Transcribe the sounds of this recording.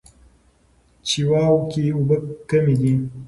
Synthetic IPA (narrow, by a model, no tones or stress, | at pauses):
t͡ʃiwaːwkiubəkɐmid̪i